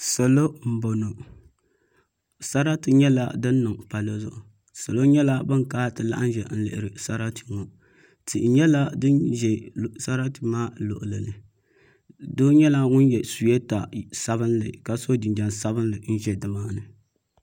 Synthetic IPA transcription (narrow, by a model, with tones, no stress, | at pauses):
sa˨lo˦m̩˨˦bo˨no˨ | sa˦ɾa˦tɨ˨ɲɛ˦la̰˦dɨ˦nːɨ˨ŋpa˨lo˦zʊ˦ʔʊ˨ | sa˨lo˦ɲɛ˦la˦bɨ˦ŋkaː˦tɨ˨la̰˦ʔa˦n˦ʒɛ˨n̩˦lɨ̰˨ʔɪ˨ɾɨ˨sa˦ɾa˦tʰi˨ŋo˨ | ti˨ʔɲɛ˦la˦dɨ˦nʒɛ˨sa˦ɾa˦ti˨maː˦lo̰˨ʔʊ˨lɨ˨lɨ˨ | doː˦ɲɛ˦la˦ŋʊ˦njɛ˨su˨jɛ˦ta˨sa˦βɨ˦nlɨ˨ka˨so˦di˨nda˨nsa˦bɨ˦nlɨ˨n̩˦ʒɛ˨dɨ˨maː˦nɨ˨